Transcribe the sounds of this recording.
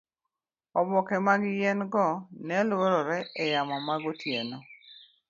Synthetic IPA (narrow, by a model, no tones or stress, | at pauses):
ɔbɔkɛmaɡɪjɛnɡɔnɛlwoɾɔɾɛʔɛjamamaɡɔtjenɔ